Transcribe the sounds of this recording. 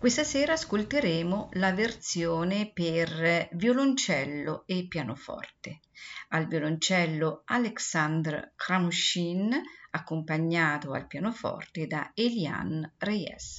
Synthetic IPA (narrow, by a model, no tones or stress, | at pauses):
kwest̪aseːɾaːskolt̪eɾeːmolavert̪sjoːnepervjolont͡ʃɛlːoepːjaːnofɔ̰rt̪e | alvjolont͡ʃɛlːoaleksand̪ɾ̰kɾamuʃinakːompaɲːaːt̪oa̰lpjaːnofɔ̰rt̪ed̪a̰elja̰nrejɛ̰s